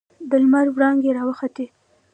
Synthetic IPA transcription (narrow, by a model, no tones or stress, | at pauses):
d̪əlmaɾwɽɑŋɡeɾɑwəxat̪e